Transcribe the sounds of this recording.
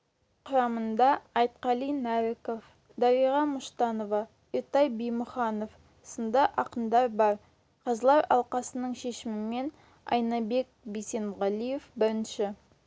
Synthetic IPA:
qʰʊɾɑmənd̪ɑɑjt̪̚qɑlˠijnæɾɪkof | d̪ɑɾijʁɑmʊʃt̪ɑno̞vɑ | iɾt̪ɑjbejmʊχɑno̞f | sənd̪ɑʔɑqənd̪ɑɾbɑɾ | qʰɑzəlˠɑɾɑ̰lˠqɑsənəɴʃe̞ʃɪmɪme̞n | ɑ̰jnɑbe̞k̚bise̞nʁɑlˠije̞fbɪɾɪnʃɪ

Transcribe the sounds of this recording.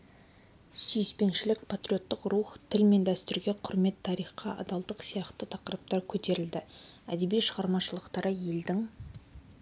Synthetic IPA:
syjspe̞nʃɪlɪkpʰat̪ɾʲijo̞t̪ːɪqruχt̪ʰɪlme̞nd̪æst̪ɪɾɡʲe̞qʰʊɾme̞t̪ʰːɑɾijχqɑʔɑ̰d̪ɑlˠd̪əqsijɑqt̪ət̪ʰɑqəɾəp̚t̪ɑɾkʲʰɵt̪e̞ɾɪld̪ɪæ̰d̪e̞bijʃəʁɑɾmɑʃəlˠəqt̪ɑɾəje̞ld̪ɪŋ

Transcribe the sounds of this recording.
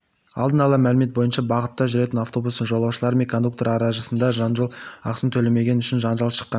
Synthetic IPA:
ɑ̰lˠd̪ənɑlˠəmælɪme̞t̪̚bo̞jənʃɑbɑʁət̪ːɑʒʏɾe̞t̪ɪnaft̪o̞bust̪əɴʒolˠɑwʃəlˠɑɾəmekʰo̞nd̪ukt̪oɾɑɾɑʒəsənd̪ɑʒɑnʒolˠɑqsəmt̪ʰɵle̞me̞ɡʲe̞nʏʃɪnʒɑnʒɑlˠʃə̥qːɑn

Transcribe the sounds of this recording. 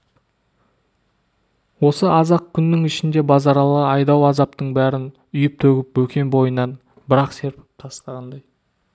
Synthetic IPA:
wo̞səɑzɑq̚kʲʰʏnːɪŋɪʃɪnd̪e̞bɑzɑɾɑlˠəɑjd̪ɑwɑzɑpt̪əɴbæɾɪn | ʏjɪp̚t̪ʰɵɡʲɪp̚bɵkʲe̞nbo̞jənːɑn | bɪɾɑqse̞ɾpʰɪ̥p̚t̪ʰɑst̪ɑʁɑnd̪ɑj

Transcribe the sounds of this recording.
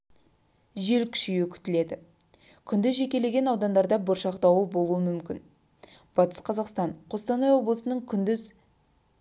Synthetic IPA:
ʒe̞lkʲʰʏ̥ʃijɪkʲʰʏ̥t̪ɪle̞d̪ɪ | kʲʰʏnd̪ʏzʒe̞kʲe̞le̞ɡʲe̞nɑwd̪ɑnd̪ɑɾd̪ɑbʊɾʃɑqt̪ɑwəlˠbo̞lˠuəmʏmkʲɪn | b̥ɑt̪ə̥sqʰɑzɑqst̪ɑɴqʰost̪ɑnɑjwo̞blˠəsənəɴkʲʰʏnd̪ʏz

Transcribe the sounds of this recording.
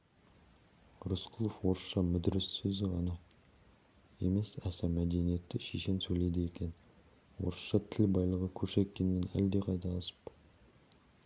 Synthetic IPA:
ɾosqʰʊlˠofwo̞ɾəsʃɑmʏd̪ɪɾɪsːɵzɪʁɑnɑ | e̞̰me̞sæsɑmæd̪e̞nije̞t̪ːɪʃeʃe̞nsɵjle̞d̪ɪje̞kʲe̞n | wo̞̰ɾəsʃɑt̪ʰɪlbɑjlˠəʁəkʲʰɵɾʃe̞t̪̚kʲːe̞nːenæ̰ld̪e̞qʰɑjt̪ɑlˠɑsə̥p

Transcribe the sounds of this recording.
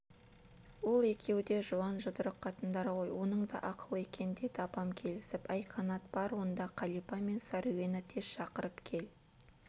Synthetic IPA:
wo̞lˠe̞kʲe̞wd̪e̞ʒuɑnʒʊd̪əɾəqqʰɑt̪ənd̪ɑɾəʁo̞jwo̞nəɴd̪ɑ̰ʔɑqəlˠəe̞kʲend̪e̞t̪ʰɑpɑmkʲʰe̞lɪsɪpɑjqʰɑnɑt̪̚b̥ɑɾwo̞nd̪ɑqʰɑlˠipɑme̞nsɑɾuwe̞nɪt̪ʰe̞sʃɑqəɾəpkʲʰe̞l

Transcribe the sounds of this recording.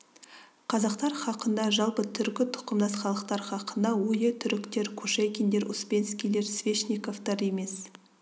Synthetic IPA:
qʰɑzɑqt̪ɑɾχɑqənd̪ɑʒɑlˠpət̪ʰʏɾkʲɪt̪ʰʊ̥qəmd̪ɑsχɑlˠəqt̪ɑɾχɑqənd̪ɑwɵjɪt̪ʰʏɾɪkt̪e̞ɾkʲʰɵʃekʲind̪e̞ɾʊspʲenskʲijle̞ɾsvʲeʃnikoft̪ɑɾeme̞s

